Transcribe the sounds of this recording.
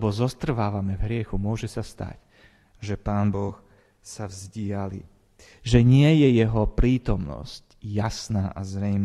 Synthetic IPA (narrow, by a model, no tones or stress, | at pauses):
bɔzɔst̪r̩ʋaːʋamɛvɦɾɪɛxumʊɔʒɛsast̪a̰c | ʒɛpaːnbɔx | savzɟɪalḭ | ʒɛɲɪɛjɛjɛɦɔpɾiːt̪ɔmnɔ̰sc | jasnaːʔazɾɛjm